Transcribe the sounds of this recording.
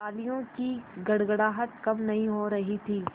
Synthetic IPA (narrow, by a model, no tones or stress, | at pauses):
aːlijõkiɡɐɽɡəɽaːɦət̪̚kɐmnɐɦĩɦoɾɐɦit̪ʰiː